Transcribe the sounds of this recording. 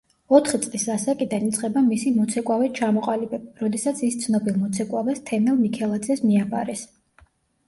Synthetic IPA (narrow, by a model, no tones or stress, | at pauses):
ɔt̪ʰχit̪sʼlisasakʼid̪anit̪sʰʼqʼɛbamisimɔt̪sʰɛkʼwavɛt͡ʃʰamɔqʼalibɛb̚ɾɔd̪ɛsat̪sʰist̪sʰnɔbilˠmɔt̪sʰɛkʼwavɛst̪ʰɛnɛlˠmikʰɛlˠad̪zɛsmiapʰa̰ɾɛs